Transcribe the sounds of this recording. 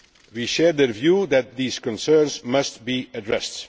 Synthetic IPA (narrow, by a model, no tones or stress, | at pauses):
wiʃɛːɹðəvjuðæt̪̚ðiːz̥kɔ̃nsɜːɹnzmʌstbiːədɹɛst